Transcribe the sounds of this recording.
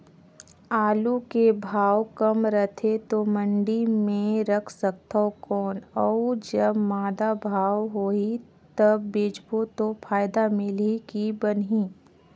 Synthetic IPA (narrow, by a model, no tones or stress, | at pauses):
aːlukebʱaːwkɐmɾət̪ʰet̪omə̃ɳɖimẽɾəkʰsək̚t̪aokɔːnɔd͡ʒɐbmaːd̪abʱaːwɦoːi | t̪ɐbːeːd͡ʒbot̪opʰaːjɪd̪amɪlikibɐnɦĩː